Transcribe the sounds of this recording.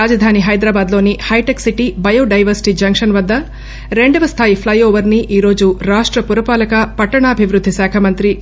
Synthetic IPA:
aːd͡ʒɐd̪ʱaːniɦɐjd̪ɾaːbaːd̪lo̞ːnihɐjʈɐksiʈibɐjoːɖɐjʋɐɾsi̥ʈid͡ʒɐŋkʂɐnʋɐd̪ːɐ | ɾe̞ɳɖɐʋɐst̪ʰaːjipʰlɐjoːʋɐɾniʔiːɾo̞ːd͡ʒuɾaːʂʈɾɐpuɾɐpaːlɐkɐpɐʈːɐɳɐːbʱiʋɾud̪ʱːisaːkʰɐmɐnt̪ɾi

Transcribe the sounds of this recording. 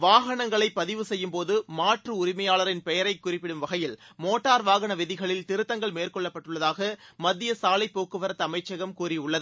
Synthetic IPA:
ʋaːɣɐɳɐŋɡɐɭɐɪpːɐðɪʋɯsɛjːɯmpoːðɯmaːʈrɯʊɾɪmɐjaːɭɐɾɪnpɛjɐɾɐɪkːʊrɪpːɪɽɯmʋɐɣɐjɪlmoːʈːaːɾʋaːɣɐɳɐʋɪðɪɣɐɭɪlt̪ɪɾɯt̪ːɐŋɡɐɭmeːrkɔɭːɐpːɐʈːɯɭːɐðaːɣɐmɐd̪ːɪjɐsaːlɐɪpːoːkɯʋɐɾɐt̪ːɐmɐɪt͡ʃːɐɣɐmkuːriʊɭːɐðɯ

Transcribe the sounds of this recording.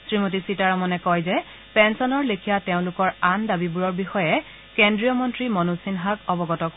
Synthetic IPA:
sɹimot̬isitaɹɔmɔnɛkɔjzɛ | pɛnsɔnɔɹlekʰijateʊ̃lʊkɔɹandabibuɹɔɹbixɔjɛ | kendɹijɔmɔntɹimɔnusinɦaɡɔbɔɡɔtɔk

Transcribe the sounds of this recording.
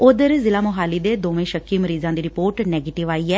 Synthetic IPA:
ʊd̪əɾzɪlaːmʊɦaːliːd̪eːd̪oːʋẽːʃəkːiːməɾiːzãːd̪iːɾɪpoːɾʈnɛːɡeːʈɪʋaːiːɛː

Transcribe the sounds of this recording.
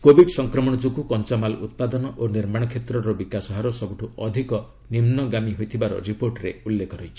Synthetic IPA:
kobʱiɖsɔŋkɾɔmɔɽ̃ɔd͡ʒukukɔnt͡ʃamalut̪̚pad̪ɔnɔʔoniɾmaɽ̃ɔkʰet̪ɾɔɾɔbikasɔɦaɾɔsɔbuʈʰuɔd̪ʱikɔ | nimnɔɡamiɦojt̪ʰibaɾɔ̰ɾipoɾʈɾeulːekʰɔɾɔjt͡ʃʰi̥

